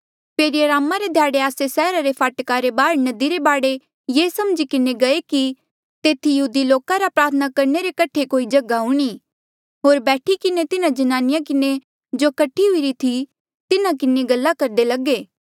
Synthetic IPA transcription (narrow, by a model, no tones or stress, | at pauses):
peːɾijəɾaːmːaɾed̪ʱjaːɽeaːsesɛːɾaɾepʰaːʈkaɾebaːɾnɐd̪iɾebaːɽe | jeːsɐmd͡ʒikɪneɡɐeki | t̪eːt̪ʰijɐɦuːd̪iloːkaɾapɾaːɾt̪ʰənakɐɾneɾekɐʈʰekoːid͡ʒɐɡaɦʊɽ̃i | ɦoːɾbɛːʈʰikɪnet̪ɪnãd͡ʒɐnaːnɪjakɪne | d͡ʒoːkɐʈʰːiɦʊiɾit̪ʰi | t̪ɪnãkɪneɡɐlːakɐɾd̪elɐɡeː